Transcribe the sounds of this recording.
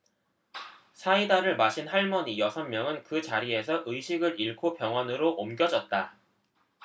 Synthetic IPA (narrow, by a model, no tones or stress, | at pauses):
sʰaidaɾɯɭmaɕʰinhaɭmʌɲijʌsʰʌnmjʌŋɯnkɯt͡ɕaɾie̞sʰʌʔɯjɕʰiɡɯɾiɭkʰopjʌŋɦwanɯɾoʔomɡjʌd͡ʑʌt̚t͈a